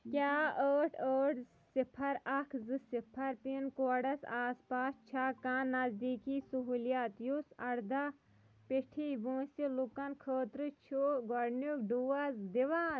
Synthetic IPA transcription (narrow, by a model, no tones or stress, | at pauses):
kʲaːəːʈʰəːʈ | sipʰɐɾɐkʰzɨsipʰɐɾpinkoːɖɐsaːspaːst͡ʃʰaːkãːnːɐzd̪iːkiːsuɦuːljaːt̪jusɐɽd̪a | piʈʰibõːsilukɐnkʰəːt̪ɾɨt͡ʃʰuɡɔɽnukɖuːɐzd̪iʋaːn